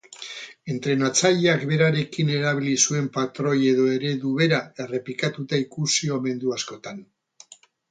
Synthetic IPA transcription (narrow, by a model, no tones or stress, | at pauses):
e̞nt̪ɾe̞nat͡saʎeakbe̞ɾaɾe̞kine̞ɾaβ̞ilisue̞mpat̪ɾo̞je̞ðo̞e̞ɾe̞ðuβe̞ɾae̞re̞pikat̪ut̪aikusio̞me̞nd̪uasko̞t̪an